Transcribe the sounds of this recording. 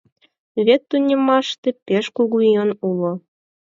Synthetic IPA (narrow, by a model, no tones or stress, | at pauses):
βet̪ːunʲə̆mɑʃt̪ĕpeʃkuɣujɤnulŏ